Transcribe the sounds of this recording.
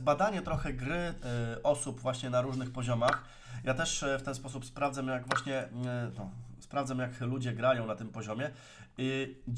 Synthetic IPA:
bad̪aɲɛt̪ɾɔxɛɡɾɘʔɔsubvwaɕɲɛnaɾuʐnɘxpɔʑɔmax | jat̪ɛʂft̪ɛnspɔs̬upspɾavdzajaɡvwaɕɲɛnɔspɾavd̪zamjaklud͡ʑɛɡɾajɔ̃w̃nat̪ɘmpɔʑɔmʲjɛ | i

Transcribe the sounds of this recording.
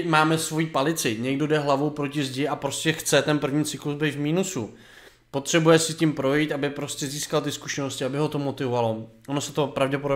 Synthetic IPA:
maːmɛsvo̞jiːpalɪt͡sɪɲɛɡdo̞dɛɦlavowpɾo̞cɪzɟɪʔapɾo̞scɛxt͡sɛt̪ɛnpr̩vɲiːt͡sɪkluzbɛjt̪vmiːnusu | po̞t̪r̝̥ɛbujɛsɪcimpɾo̞jit̪ʔabɪpɾo̞scɛziːskalt̪ɪsku̥ʃɛnoscɪabɪɦo̞t̪o̞mo̞t̪ɪvovalo̞ʔonosɛt̪o̞pɾavɟɛpodo

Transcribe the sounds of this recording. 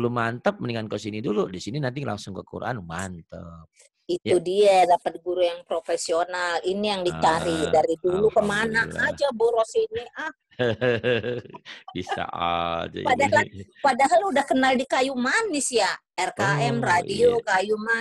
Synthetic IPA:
lumant̪əp̚məniŋankosiniduludisininant̪ila̰ŋsʊŋkəkṵɾʔa̰nmant̪əp̚ | it̪udiadapət̪̚ɡuɾujaŋpɾofesionalinijaŋdit͡ʃaɾidaɾidulukəmanaad͡ʒaboɾosiniʔah | b̥isa̰ad͡ʒa̰padaalpadaɦaludahkənaldikajumanːɪsja | ɛrkaɛmradiokajuma

